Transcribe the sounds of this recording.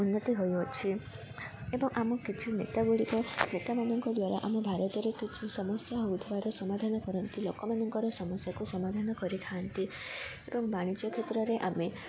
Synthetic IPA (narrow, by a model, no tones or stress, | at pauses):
unːɔt̪iɦojɔt͡ʃʰi | ebɔŋʔamɔkit͡ʃʰinḛt̪aɡuɭikɔnet̪amanɔŋkɔd̪waɾa̰ʔamɔbʱaɾɔt̪ɔɾekit͡ʃʰisɔmɔst̪jaɦowt̪ʰebaɾɔsɔmad̪ʱanɔkɔɾɔnt̪ilokɔmanɔŋkɔɾɔsɔmɔsjakusɔmad̪ʱanɔkɔɾit̪ʰaːnt̪i | ebɔŋbaɽ̃it͡ʃjɔkʰet̪ɾɔɾeʔame